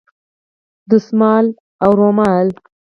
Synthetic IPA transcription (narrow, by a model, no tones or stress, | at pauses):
d̪əsmɑːl | awɾomɑl